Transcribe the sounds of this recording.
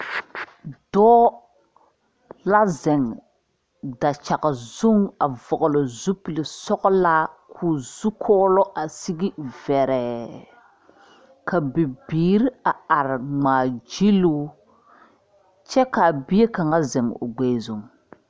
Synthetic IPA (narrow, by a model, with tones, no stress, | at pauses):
dɔː˦ | la˦zɛ˨ŋ | da˨t͡ʃa˨ɣa˨zʊ˦ŋa˨vʊ˨ɣʊ˨lɔ˨zu˦pi˨lɪ˨sɔ˦ɣɔ˦la˦kʰuː˨z̥u˦kʰɔː˦lɔ˦ʔa˨si˦ɡi˦vɛ˨ɾɛ˨ | ka˨bɪ˨biː˨ɾi˦a˨a˨ɾɪ˨ŋ͡maː˨d͡ʒi˦lu˦ | t͡ʃɛ˦ka˨bɪ˦e˦ka˨ŋa˦zɛ˨ŋʊ̰˨ɡ͡bɛ˦zu˦˨ŋ